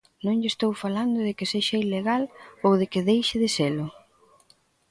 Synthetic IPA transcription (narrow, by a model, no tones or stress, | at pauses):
nõŋʎest̪owfaland̪ʊðɪkɪseʃaileɣalowðɪkɪðejʃɪðɪselʊ